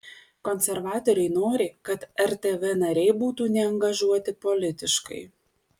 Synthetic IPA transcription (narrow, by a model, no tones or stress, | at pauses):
kɔnʲsʲɛɾʋɑːt̪ɔɾʲɛɪnoːɾʲekɐt̪ɛɾʲt̪ʲeʋʲɛnɐɾʲɛɪbuːt̪uːnʲɛɐŋɡɐʒuɔt̪ʲɪpɔlʲɪt̪ʲɪʃkɐ̰ɪ